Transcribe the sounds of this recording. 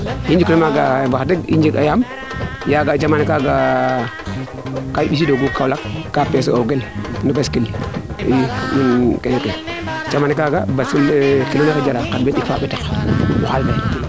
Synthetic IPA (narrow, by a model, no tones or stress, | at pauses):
jind͡ʒiknimaɡabaxdiɡḭnd͡ʒiɡajam | jaɡad͡ʒamanikaɡa | kaiɓis̬idoɡukawlakːapes̬ooɡelnubaskiljijinkeeke | d͡ʒamanikaɡabasilkinakad͡ʒaɾakadbetifaːɓitakwa̰xalba